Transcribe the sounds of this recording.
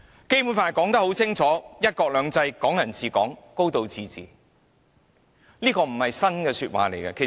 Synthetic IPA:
ke˥jpu˨˥nfaː˧kɔː˨˥ŋt̪ɐ˥ho˨˥wt͡sʰɪ˥ŋt͡sʰɔː˨˥jɐ˥t̚kɔː˧k̚lœː˨˧ŋt͡sɐ˧jkɔː˨˥ŋjɐ˨˩nt͡sʰiː˨˧kɔː˨˥ŋko˥wt̪o˨˧wt͡sʰiː˨˧t͡sḭː˨˩ | liː˥kɔː˧m̩˨˩hɐ˨jsɐ˥nkɛː˧syː˧t̚wa̰ː˨˩le˨˩jkɐ˧kʰe˨˩

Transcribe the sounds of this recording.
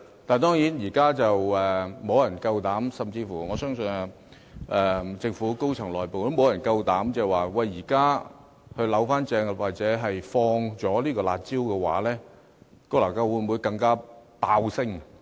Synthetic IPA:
t̪aː˨nt̪ɔː˥ŋjiː˨˥njiː˨˩kaː˥t͡sɐ˨wɛː˨mo˨˧wjɐ˨˩nkɐ˧wt̪aː˨˥msɐ˨mt͡siː˧fuː˨˩ŋɔː˨˧sœː˥ŋsɵ˧n˧ | ʔɛː˨t͡sɪ˧ŋfuː˨˥ko˥wt͡sʰɐ˨˩ŋlɔː˨˩jpo˨wo˥mo˨˧wjɐ˨˩nkɐ˧wt̪aː˨˥mt͡sɛ˧ɛ˨waː˨˩wɐ˨jːiː˨˩kaː˥ | hɵ˧ɥlɐ˨˥wfaː˥nt͡sɛː˧ŋwaː˨k̚t͡sɛː˨˥ɦɐ˨jfɔː˧ŋt͡sɔː˨˥liː˥kɔː˧la̰ː˨˧t̚t͡siː˥wkɛː˧wa̰ː˨˥lɛː˥ | kɔoː˧laː˨˩kɐ˧wuː˨˧mu˨˧jkɐ˧ŋkaː˥paː˧wsɪ˥ŋ

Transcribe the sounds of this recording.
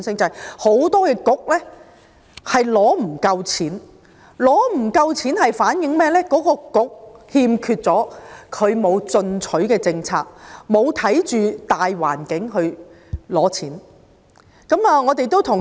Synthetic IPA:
nsɪ˥ŋt͡sɐ˨jho˨˥wt̪ɔː˥kɛː˧kʊ˨˥k̚lɛː˥ | hɐ˨jlɔː˨˥m̩˨˩kɐ˧wt͡sʰiː˨˥n | lɔː˨˥m̩˨˩kɐ˧wt͡sʰiː˨˥nhɐ˨jfaː˨˥njɪ˨˧ŋmɛː˥lɛː˥kɔː˨˥kɔː˧kʊ˨˥k̚hiː˧mkʰyː˧t̚t͡sɔː˨˥kʰɵ˨˧ɥmo˨˧wt͡sɵ˧nt͡sʰɵ˨˥ɥkɛː˧t͡sɪ˧ŋt͡sʰa̰ː˧k̚mo˨˧wt̪ʰɐ˨˥jt͡ʃyː˨t̪aː˨jwa̰ː˨˩nkɪ˨˥ŋɦɵ˧ɥ | lɔː˨˥t͡sʰiː˨˥n | kɐ˨˥maː˧ŋɔː˨˧t̪e˨jt̪o˥wt̪ʰʊ˨˩ŋ

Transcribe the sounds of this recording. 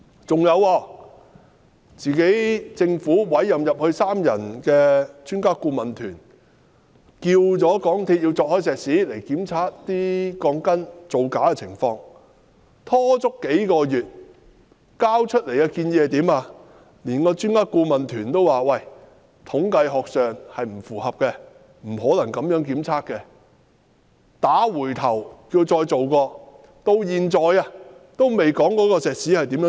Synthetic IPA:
t͡sʊ˨ŋjɐ˨˧wɔː˧ | t͡siː˨ke˨˥jt͡sɪ˧ŋfuː˨˥wɐ˨˥jːɐ˨mjɐ˨p̚hɵ˧ɥsaː˥mjɐ̰˨˩nkɛː˧t͡ʃyː˥nkaː˥kuː˧mɐ˨nt̪ʰyː˨˩n | kiː˧wt͡sɔː˨˥kɔː˨˥ŋt̪ʰiː˧t̚jiː˧wt͡sɔː˧k̚hɔː˨˥jsɛː˨k̚siː˨˥le˨˩jkiː˨˥mt͡sʰaː˨t̚t̪iː˥kɔː˧ŋkɐ˥nt͡so˨˧wkaː˨˥kɛ˧t͡sʰɪ̰˨˩ŋfɔː˧ŋ | t̪ʰɔː˥t͡sʊ˥kːe˨˥jkɔː˧jyː˨t̚ | kaː˥wt͡ʃʰɵ˥t̚le˨˩jɐː˧kiː˧njiː˧hɐ˨jt̪iː˨˥maː˧ | liː˨˩nkɔː˧t͡ʃyː˥nŋaː˥t̚kuː˧mɐ˨nt̪ʰyː˨˩nt̪o˥waː˨wɐ˨˩j | t̪ʰʊ˨˥ŋkɐ˧jɦɔː˨k̚sœː˨ŋhɐ˨jm̩˨˩fuː˨˩hɐ˨p̚kɛ˧ | m̩˨˩ɦɔː˨˥lɐ˨˩ŋkɐ˨˥mjœː˨˥ŋkiː˨˥mt͡sʰaː˥kːɛ˧ | t̪aː˨˥wuː˨˩jt̪ʰɐ˨˩wkiː˧wt͡ʃɔː˧jt͡so˨wkɔː˧ | t̪o˧wjiː˨nt͡sɔː˨jaː˧t̪o˥wme˨jkɔː˨˥ŋkɔː˨˥kɔː˧sɛː˨k̚siː˨˥hɐ˨jt̪iː˨˥mjœː˨˧˥

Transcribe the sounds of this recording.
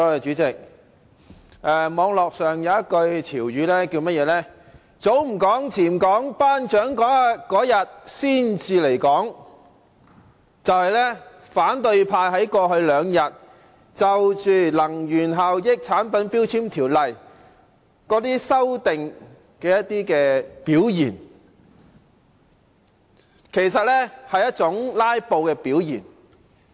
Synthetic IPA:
t͡ʃyː˨˥t͡sɪ˨k̚ | ʔɛː˧mɔː˨˧ŋlɔː˨k̚sœː˨ŋjɐ˨˧wjɐ˥t̚kɵ˧ɥt͡sʰiː˨˩wjyː˨˧lɛː˥kiː˧wmɐ˥t̚jɛː˨˧˥lɛː˥ | t͡so˨˥wm̩˨˩kɔː˨˥ŋt͡sʰiː˨˩mkɔː˨˥ŋpaː˥nt͡ʃœː˨˥ŋkɔː˨˥ŋa˨˧kɔː˨˥jɐ˨t̚siː˥nt͡siː˧le˨˩jkɔː˨˥ŋ | t͡sɐ˨whɐ˨jlɛː˥ | faː˨˥nt̪ɵ˧ɥpʰaː˧jɦɐ˨˥jkɔː˧ɦɵ˧ɥlœː˨˧ŋjɐ˨t̚ | t͡sɐ˨wt͡ʃyː˨˩lɐ˨˩ŋjyː˨˩nɦɐ˨wjɪ˨k̚t͡sʰaː˨˥npɐ˨˥npi˥wt͡sʰiː˥mt̪ʰiː˨˩wlɐ˨j | kɔː˨˥t̪iː˥sɐ˥wt̪ɪ˨ŋ | kɛː˧jɐ˥t̚t̪iː˥kɛː˧piː˨˥wjiː˨˩n | kʰe˨˩jsɐ˨t̚lɛː˥hɐ˨jɐ˥t̚t͡ʃʊ˨˥ŋlaː˥jpo˧wkɛː˧piː˨˥wjḭː˨˩n

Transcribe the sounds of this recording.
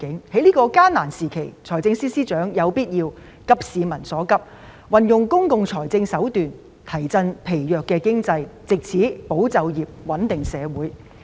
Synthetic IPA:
kɪ˨˥ŋhe˨˥jliː˥kɔː˧kaː˥nnaː˨˩nsiː˨˩kʰe˨˩jt͡sʰɔː˨˩jt͡sɪ˧ŋsiː˥siː˥t͡ʃœː˨˥ŋjɐ˨˧wpiː˥t̚jiː˧w | kɐ˥p̚siː˨˧mɐ˨˩nsɔː˨˥kɐ˥p̚ | wɐ˨njʊ˨ŋkʊ˥ŋkʊ˨ŋt͡sʰɔː˨˩jt͡sɪ˧ŋsɐ˨˥wt̪yː˨n | t̪ʰɐ˨˩jt͡sɐ˧npʰe˨˩jjœː˨kːɛː˧kɪ˥ŋt͡sɐ˧jt͡sɪ˨k̚t͡sʰiː˨˥po˨˥wt͡sɐ˨wjiː˨p̚wɐ˨˥nt̪ɪ˨ŋsɛː˨˧wuː˨˥j

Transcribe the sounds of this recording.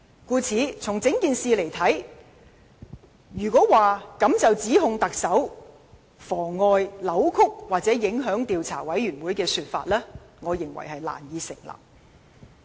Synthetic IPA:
kuː˧t͡sʰiː˨˧˥t͡sʰʊ˨˩ŋt͡sɪ˨˥ŋkiː˨nsiː˨le˨˩jt̪ʰɐ˨˥j | jyː˨˩kʷɔː˨˥waː˨kɐ˨˥mt͡sɐ˨wt͡siː˨˥ɦʊ˧ŋt̪ɐ˨k̚sɐ˨˥w | fɔː˨˩ŋːɔː˨˧jlɐ˨˥wkʰʊ˥k̚waː˨t̚t͡sɛː˨˥jɪ˨˧˥ŋɦœː˨˥ŋt̪iː˨wt͡sʰa̰ː˨˩wɐ˨˥jɥyː˨˩nwuː˨˥jkɛː˧syː˧t̚fa̰ː˧t̚lɛː˥ | ŋɔː˨˧jɪ˨˩ŋwɐ̰˨˩jɦɐ˨jla̰ː˨˩njiː˨˧sɪ̰˨˩ŋlɐ̰˨˩m̚

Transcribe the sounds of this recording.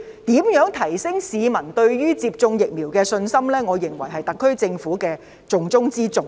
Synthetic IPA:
t̪iː˨˥mjœː˨˥ŋt̪ʰɐ˨˩jsɪ˥ŋsiː˨˧mɐ˨˩nt̪ɵ˧ɥɥyː˥t͡siː˧p̚t͡sʊ˧ŋjɪ˨k̚miː˨˩wkɛː˧sɵ˧nsɐ˥mlɛː˥ŋɔː˨˧jɪ˨˩ŋwɐ˨˩jɦɐ˨jt̪ɐ˨kʰːɵ˥ɥt͡sɪ˧ŋfuː˨˥kɛː˧ | t͡sʊ˨˧ŋt͡sʊ˥ŋt͡siː˥t͡sʊ˧ŋ

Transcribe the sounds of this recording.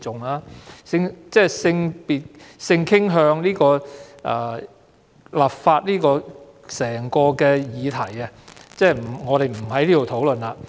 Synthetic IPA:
t͡sʊ˨ŋlaː˧sɪ˧ŋt͡sɛː˥sɪ˧ŋpiː˨t̚sɪ˧ŋkʰɪ˥ŋɦœː˧ŋliː˥kɔː˧ʔa̰ː˧ | laː˨p̚faː˧t̚liː˥kɔː˧ | sɛː˨˩ŋkɔː˧kɛː˧jiː˨˧t̪ʰɐ˨˩jɐ˧t͡sɛː˥˩m̩˨˩ŋɔː˨˧ɾe˨jm̩˨˩hɐ˨˥jliː˥o˨wt̪ʰo˨˥wlɵ˨na˧

